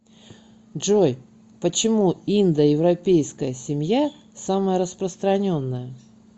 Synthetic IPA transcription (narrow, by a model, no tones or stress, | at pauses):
dʐoj | pət͡ɕɪmuind̪əjɪvɾɐpʲejskəjəsʲɪmʲja | saməjəɾəspɾəst̪ɾɐnʲo̞nːəjə